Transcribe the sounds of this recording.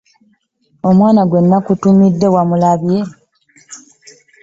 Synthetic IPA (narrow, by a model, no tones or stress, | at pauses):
o̞mwaːnaɡwe̞nːakutumidːe̞wamulaβje